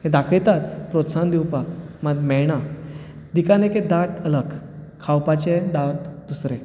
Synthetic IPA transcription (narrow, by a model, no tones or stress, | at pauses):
hẽd̪akʰlet̪at͡spɾot̪sand̪iwpakmad̪mɛɭɽa | d̪ikaneked̪at̪ələkkʰːawpat͡ɕed̪at̪d̪usɾe